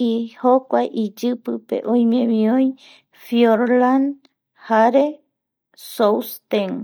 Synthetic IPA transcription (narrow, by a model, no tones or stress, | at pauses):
ihokʷajʔid͡ʒɨpɨpḛʔõj̃mẽmĩõj | fjoɾlan | haɾe | sowst̪eŋ